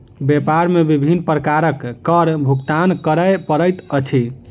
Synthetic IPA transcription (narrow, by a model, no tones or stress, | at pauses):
bepaɾmebibʱinːpɾəkaɾəkːəɾbʱukt̪ankəɾəpəɾəjt̪ət͡ʃʰi